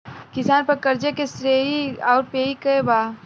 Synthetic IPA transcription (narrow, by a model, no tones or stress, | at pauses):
kɪsaːnpɐɾkɐɾd͡ʒekesɾeːiaːʊɾpeːikɐebaː